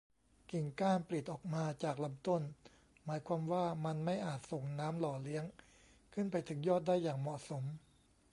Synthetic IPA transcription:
ki˨˩ŋkaː˥˩npli˨˩t̪̚ʔɔː˨˩k̚maː˧t͡ɕaː˨˩k̚la˧mt̪o˥˩n | maː˩˦jkʰwaː˧mwaː˥˩ma˧nma˥˩jʔaː˨˩t̪̚so˨˩ŋnaː˦˥mlɔː˨˩li˦˥əŋ | kʰɯ˥˩npa˧jt̪ʰɯ˩˦ŋjɔː˥˩t̪̚daː˥˩jːaː˨˩ŋmɔ˨˩ʔso˩˦m

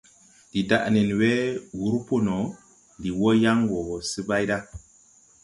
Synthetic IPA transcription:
di˨da˨ʔne˨nwe˦wu˨˦ɾu˦po˦no˨ | ndi˨wo˦ja˦ŋwo˨sɨ˦ba˦jda˦

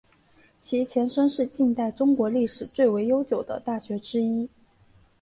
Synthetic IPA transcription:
t͡ɕʰi˧˥t͡ɕʰjɛ˧˥nʂə˥ŋʂɻ̩˥˧t͡ɕi˥˧nt̪a˥˩ɪʈ͡ʂʊ˥ŋkwɔ˧˥li˥˩ʂɻ̩˨˩t͡swe˥˩ɪwe˧˥ɪjo˥ʊt͡ɕjo˨˩ʊd̪ə̰˦t̪a˥˩ɕɥɛ˧˥ʈ͡ʂɻ̩˥i˥

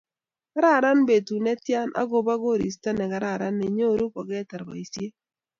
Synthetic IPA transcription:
ka˦ɾa˦˨ɾa˦nbe˨tu˨nɛ˦tja˦nʔa̰˦ɡo˨ba˦ɡo˦˨ɾi˨sta˦nɛ˨ka˨ɾa˦˨ɾa˦nːɛ˨ɲo˦˨ɾu˦kɔ˨ɡɛ˦ta˨ɾba̰˨i˨sje˦

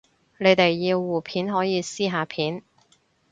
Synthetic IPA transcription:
ne˨˧jt̪e˨jːiː˧wːuː˨˩pʰiː˨˥nɦɔː˨˥jiː˨˧siː˥ɦaː˨˧pʰiː˨˥n

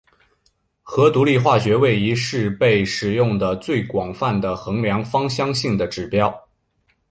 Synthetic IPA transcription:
xɤ˧˥t̪u˧˥li˥˧xwa˥˩ɕɥɛ˧˥we˥˩ɪi˧˥ʂɻ̩˥˧pe˥˩ɪʂɻ̩˨˩jʊ˥˩ŋd̪ə˩t͡swe˥˩ɪkwɑ˨˩ŋfa˥˩nd̪ə˩xɤ˧˥ŋljɑ˧˥ŋfɑ˥ŋɕjɑ˥ŋɕi˥˩ŋd̪ə˩ʈ͡ʂɻ̩˨˩pjɑ˥ʊ

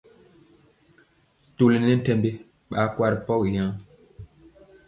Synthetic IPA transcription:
tu˨li˨n˨˦nɛ˦n̩˦tɛ˦mbe˦ | ɓa˨˦kwa˦ɾi˨pɔ˦˨wi˨ja˦ŋ

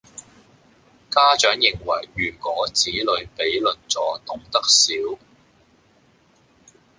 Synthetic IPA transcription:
kaː˥t͡ʃœː˨˥ŋjɪ˨ŋwɐ˨˩jɥyː˨˩kɔː˨˥t͡siː˨˥lɵ˨˧ɥpe˨˥jlɵ˨nt͡sɔː˨˥t̪ʊ˨ŋt̪ɐ˥k̚siː˨˥w

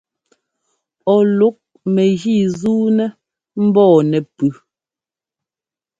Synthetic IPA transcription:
ɔ˨lu˨˦k̚ | mɛ˨ɣi˦˨zuː˦nɛ˦ | m̩˦bɔː˦˨nɛ˨pʉ˨

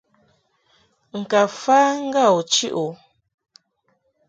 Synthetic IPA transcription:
ŋ̩˨ka˨faː˦ŋ̩˦ɡa˦˨wt͡ʃi˦ʔo˨

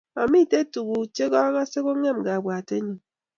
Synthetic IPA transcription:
a˨mi˦˨te˦tu˨ɣu˨t͡ʃe˦ɣɔ˦ɣa˦se˦ɣo˦ŋe˦˨m˨ɡa˨bʷa˨te˦ɲi˨ŋ

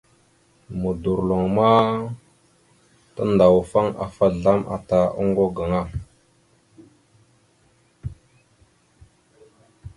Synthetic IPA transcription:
mu˨du˨ɾlo˨ŋma˦ | ta˦nda˨wfa˦ŋa̰˨fa˦ɮa˦mʔa̰˨ta˨ʔo̰˦ŋɡo˦ɡa˨ŋa˦˨

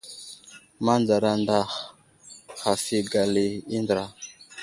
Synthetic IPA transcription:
ma˦nd͡za˨ɾa˨nda˨x | xa˨fi˨ɡa˨li˨i˦ndɾa˨

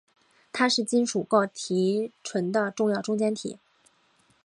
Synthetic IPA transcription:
t̪ʰa˥ʂɻ̩˥˩t͡ɕi˥nʂu˨˩ko˥˩ʊt̪ʰi˧˥ʈ͡ʂʰwə˧˥nd̪ə˧ʈ͡ʂʊ˥˧ŋjɑ˥˧ʊʈ͡ʂʊ˥ŋt͡ɕjɛ˥nt̪ʰḭ˨˩˦

